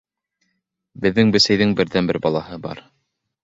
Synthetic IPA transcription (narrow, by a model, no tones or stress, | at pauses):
bɘ̆ðːɘŋbɘ̆sæjðɘŋbɘ̆ɾðænbɘɾbɑlˠɑɦɤbɑ̰ɾ